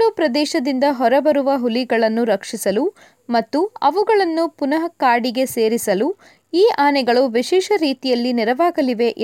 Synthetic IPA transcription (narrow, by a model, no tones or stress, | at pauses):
luːpɾɐd̪ɛːʃɐd̪ind̪ɐɦɔɾɐbɐɾuʋɐɦuliɡɐɭɐnːuɾɐkʂisɐlu | mɐt̪ːuɐʋuɡɐɭɐnːupunɐɦɐkaːɾɽiɡe̞seːɾisɐlu | iːʔaːnɛɡɐɭuʋiʃɛːʃɐɾiːt̪ijɐlːiniɾɐʋaːɡɐliʋe̞ʔ